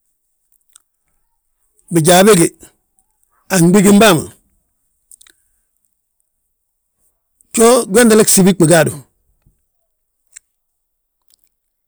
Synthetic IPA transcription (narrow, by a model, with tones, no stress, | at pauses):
bi˨ɟa˨be˦ɡi˨ | a˨ŋɡ͡bi˦ɡi˦mba˦˨ma̰˨ | t͡ʃo˦ɡwe˦ndi˦le˦ksi˨bi˦k͡pi˨ɡa˦˨du˨